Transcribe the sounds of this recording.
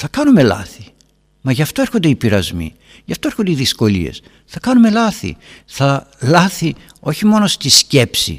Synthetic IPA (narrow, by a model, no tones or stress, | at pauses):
θɐkɐnume̞lɐ̰θi | mɐʝɐft̪o̞eɾxo̞nd̪eipiɾɐzmḭ | ʝɐft̪o̞eɾxond̪eiðisko̞lḭe̞̰s | θɐkɐnume̞lɐθḭθɐlɐθi | o̞çimo̞no̞st̪iscepsḭ